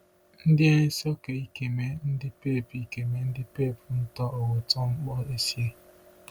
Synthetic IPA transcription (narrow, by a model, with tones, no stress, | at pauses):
n̩˦dɪ˦e˦ɲe˦sɔ˦ke˨i˦ke˨me˦n̩˦dɪ˦pe˦˨pi˨ke˨me˨n̩˦dɪ˦pe˦˨pn̩˦tɔ˦ʔɔ˨wʊ˨tɔ˦ŋ͡m̩˦k͡pɔ˦e˦si˦e˦